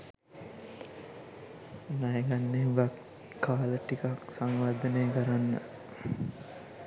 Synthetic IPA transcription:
najəɡanːeʋak | kːaːləʈikaksaŋʋad̪ənejːkəɾanːə̰

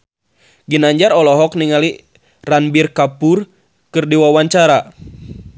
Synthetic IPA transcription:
ɡinaɲd͡ʒaɾɔlɔɦɔkniŋali | ranbirkapur | kɨrdiwawaɲt͡ʃaɾa

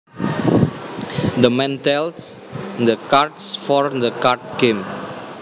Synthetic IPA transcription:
d̪əmɛ̃nt̪ɛlsd̪əkartsfɔɹd̪əkart̪̚ɡ̥ẽm

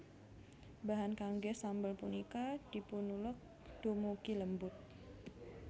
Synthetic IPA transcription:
baɦankaŋɡɛsambəlpunikad̥ipunulʊk̚ | d̥omukiləmbʊt̪̚

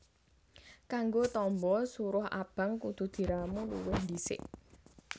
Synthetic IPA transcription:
kaŋɡot̪ɔmbɔsuɾʊha̰b̥ä̤ŋkud̪̥ṳd̪̥i̤ɾamulṵwʊhnd̪isɪ̰ʔ

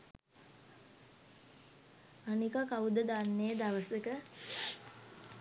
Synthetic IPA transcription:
anikakaud̪əd̪anːed̪aʋəsəkə

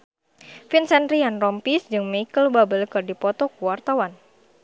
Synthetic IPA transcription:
finsɛnɾianrɔmpisd͡ʒɨŋmaikəlbabəlkɨrdipɔt̪ɔkuwart̪awan

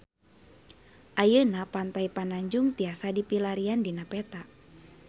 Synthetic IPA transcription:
ʔajənapant̪aipanaɲd͡ʒuŋt̪iasadipilaɾiandinapɛt̪a

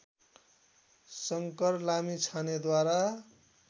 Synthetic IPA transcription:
sʌŋkʌrlamit͡sʰaned̪waɾa

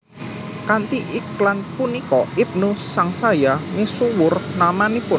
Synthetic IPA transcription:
kant̪iʔiklanpunikɔip̚nusːaŋsajamisuwʊrnamanipʊn

